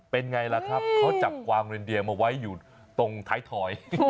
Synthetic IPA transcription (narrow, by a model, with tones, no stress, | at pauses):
pe˧nŋa˧jla˧˩kʰɾa˦˥p̚pʰɔː˦˥t͡ɕa˨˩p̚kwaː˧mɾe˧ndi˧əmaː˧wa˦˥jːuː˨˩ | t̪o˧ŋt̪ʰaː˦˥jt̪ʰɔː˧j